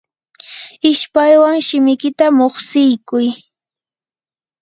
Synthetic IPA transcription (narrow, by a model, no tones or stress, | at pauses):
ɪʃpajwaŋʃɪmɪkɪt̪amoχsɪjkʊj